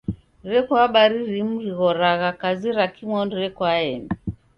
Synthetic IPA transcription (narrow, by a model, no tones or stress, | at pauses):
ɾɛkwaɓaɾiɾimuɾiɣɔɾaɣakaziɾakimwɔndiɾɛkwaɛni